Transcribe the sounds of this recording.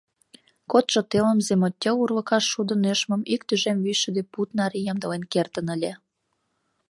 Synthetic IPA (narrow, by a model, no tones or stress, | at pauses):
kot̪ʒot̪eləmzemotʲːeurlə̆kɑʃːud̪ə̆neʃmə̆mikt̪yʒemvyʃə̆d̪eput̪nɑɾijɑmd̪ə̆lenkert̪ənəlʲe